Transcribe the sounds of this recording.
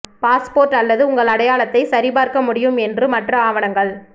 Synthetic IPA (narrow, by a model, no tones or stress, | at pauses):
paːspoːɾʈɐlːɐðɯʊŋɡɐɭɐɽɐjaːɭɐt̪ːɐɪsɐɾɪbaːɾkɐmʊɽɪjɯmɛndrɯmɐʈrɐaːʋɐnɐŋɡɐɭ